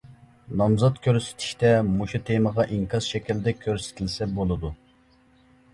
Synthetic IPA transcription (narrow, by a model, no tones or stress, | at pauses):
nɑmzɑt̪kʲʰøɾsɪ̥t̪ʰɪ̥ʃt̪ɛmuʃut̪ʰeməʁɑʔiŋkʰɑzʃɛkʲild̪ɛkʲʰøɾsɪ̥t̪ʰɪlsɛbolˠɨd̪u